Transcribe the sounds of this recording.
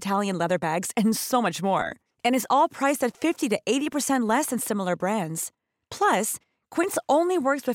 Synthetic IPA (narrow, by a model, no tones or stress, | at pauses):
tʰælˠjɨ̃nlɛðə˞bæɡz̥ɨ̃nsoʊmʌt͡ʃmɔ̰ɹ | ɨ̃ñɨzɔlˠpʰɹ̥aɪstɨtfɪftiɾɨʔeɪɾipə˞sɛ̃nʔlɛsɨ̃nsɪ̃ml̩ˠə˞bɹæ̃ndz̥ | pʰl̥ʌs | kʰw̥ɪ̃ntsõʊ̃nliwɜ˞kswɨ